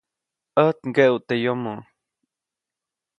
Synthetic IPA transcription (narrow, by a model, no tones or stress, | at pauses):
əht̪ŋɡeʔwt̪ejomo